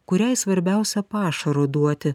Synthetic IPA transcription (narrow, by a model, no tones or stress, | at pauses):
kʊɾʲɛɪsʋɐɾʲbʲɛʊsʲɛpɑːʃɐɾod̪uɔt̪ʲɪ